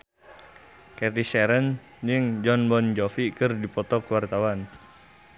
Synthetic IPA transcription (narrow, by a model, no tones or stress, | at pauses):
kɛt̪isɛɾən | d͡ʒəŋd͡ʒɔnbɔnd͡ʒɔfikərdipɔt̪ɔkəwart̪awan